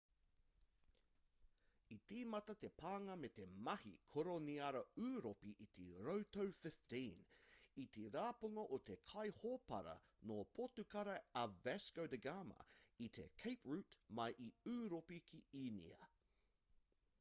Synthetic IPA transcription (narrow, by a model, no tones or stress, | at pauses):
it̪iːmɐt̪ɐt̪e̞pʰaːŋɐmet̪e̞mɐhḭkʰoɾoniɐɾɐʉːɾopiʔit̪eɾowt̪owfɪftĩnit̪eɾaːpuŋɐʔot̪ekʰɐjhoːpɐ̰ɾɐ̰noːpʰotukɐɾɐɐvɛskowdəɡaːmɐ̰it̪ʰḛkʰejpɹʉːtmɐjʔiʉːɾopikʰiiːnḭɐ̰